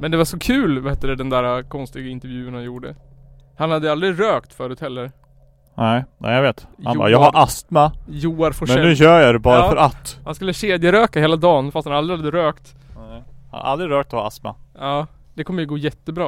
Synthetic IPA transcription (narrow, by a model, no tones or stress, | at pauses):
mɛnd̪ɛvaʂɔkʰʉ̟ːlvaheːt̪ːəɾɛd̪ɛnd̪æːɾakʰɔnst̪ɪɡaɪnt̪əɾvjʉ̟ːnhanjuːɖə | hanhad̪ːəjald̪ɾɪɾøːkt̪fœːɾʉːt̪hɛlːəɾ | nɛɪnʔɛ̰ːjaveːt̪hanbɑ̰ːjɑːɡhaɾʔast̪majuːaɾfɔmɛnɛʉ̟ːɕœːjad̪ɛbɑːɾafœɾʔat̪ːhanskɵlːəɕeːd̪jəɾøːkaheːlad̪ɑːnfast̪hanald̪ɾɪhad̪ːəɾøːkt̪ | ha̰n̰ʔa̰ld̪ɾɪɾøːk̚t̪ɔhɑ̰a̰st̪ma̰ɑː | d̪̥ɛkʰɔmːəjɵɡoːjɛt̪ːəbɾɑː